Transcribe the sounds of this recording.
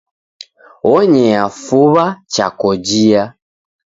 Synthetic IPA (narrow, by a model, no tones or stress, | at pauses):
ɔɲɛafuβat͡ʃa̰kɔd͡ʒia